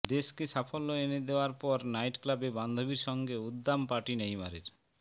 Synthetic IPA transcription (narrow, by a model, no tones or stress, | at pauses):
d̪eʃkiʃafʰolːoened̪eoaɾpɔɾnajʈklabeband̪ʱobiɾʃɔŋɡeud̪ːampaʈinejma̰ɾiɾ